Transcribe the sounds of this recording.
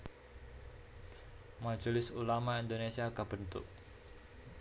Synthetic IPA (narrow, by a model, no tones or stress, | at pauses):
mḁd͡ʒolɪsulamaind̪onesiakəb̥ənt̪ʊ̰k̚